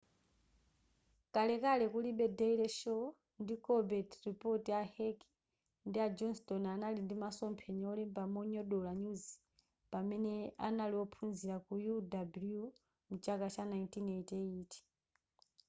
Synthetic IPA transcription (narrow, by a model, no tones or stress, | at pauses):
kalɛkalɛkuliɓɛdɛilɛʃɔ | ndikɔbɛtɾipɔtiahɛki̥ | ndiad͡ʒɔnstɔnanalindimasɔmpʰɛɲɛɔlɛmbamɔɲɔɗɔlaɲuzi | pamɛnɛa̰naliwɔpʰunziɾakujudablju | mut͡ʃakat͡ʃanaintinɛitɛiːti̥